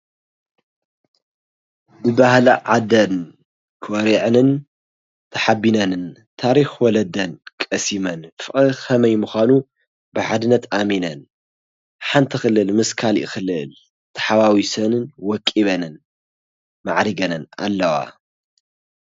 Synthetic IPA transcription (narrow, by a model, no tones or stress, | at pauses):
bɨbahlaʕad̪ɐn | kʰwɔɾiʕɨnɨn | t̪ʰɐ̥ħabinɐnɨn | t̪ʰaɾixwɔlɐd̪ɐnkʼɐsimɐnfɨʔʼɨxɐmɐjmɨxʷanu | bɨʕad̪ɨnːɐt̪ʔaminɐn | ħant̪ʰixɨlːɨlmɨskʰalʔɪ̰xɨlɨl | t̪ʰɐ̥ħawawisɐnɨnwɔkʼːiβɐnɨn | ma̰ʕɾiɡɐnɨna̰lːɐwa̰